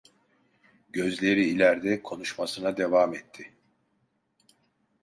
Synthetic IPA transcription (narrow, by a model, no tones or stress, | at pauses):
ɟø̞zlʲe̞ɾiːlʲæɾd̪ɛkʰo̞nuʃmasɯnad̪e̞vaːmɛt̪ʰːɪ